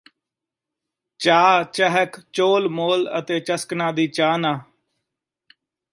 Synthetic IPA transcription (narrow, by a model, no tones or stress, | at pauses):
t͡ʃaːt͡ʃəɦəkt͡ʃoːlmoːlə̰t̪eːt͡ʃəsknãːd̪iːt͡ʃaːnaː